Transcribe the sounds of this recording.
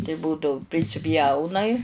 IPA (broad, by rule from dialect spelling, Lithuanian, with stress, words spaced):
tɐɪ ˈbuːdɐʊ pʲrʲɪsʲɪˈpʲjɛʊnɐɪ